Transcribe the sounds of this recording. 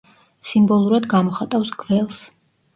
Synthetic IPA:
simbɔlˠuɾad̪ɡamɔχat̪ʼafsɡvɛlˠs

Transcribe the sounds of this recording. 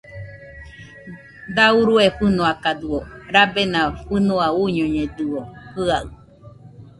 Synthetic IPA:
d̪auɾueɸɨnõakad̪uoɾabenãɸɨnoauɲoɲẽd̪ɨohɨaɨ

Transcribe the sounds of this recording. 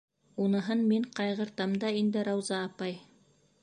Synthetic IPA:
unɤ̆ɦɤnmiɴqɑjʁɤ̆ɾt̪ɑmd̪ɑind̪ɘɾɑwzɑːpɑj

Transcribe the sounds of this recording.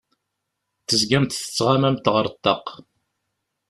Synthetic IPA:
θəzɡæmt̪θə̥t͡sːʁamæmt̪ʁəɾˤt̪ːɑq

